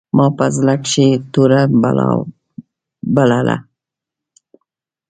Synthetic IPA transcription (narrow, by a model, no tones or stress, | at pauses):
mɑpazlakʃet̪uɾa̰ | balala̰